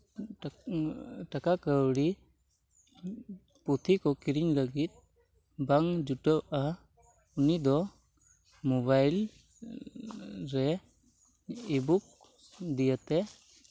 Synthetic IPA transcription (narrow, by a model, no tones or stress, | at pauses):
ʈakakəwɽi | put̪ʰikɔkiɾiɲləɡit̪̚ | baŋd͡ʒuʈɔa | unid̪ɔ | mɔbajl | ɾɛ | ibuk̚ | d̪ijət̪ɛ